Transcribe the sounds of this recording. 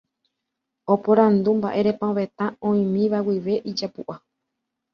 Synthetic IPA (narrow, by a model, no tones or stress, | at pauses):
o̞poɾãnd̪umba̰ʔeɾe̞pãoʋe̞t̪ãõĩmĩʋawiʋe̞ʔid͡ʒapuʔa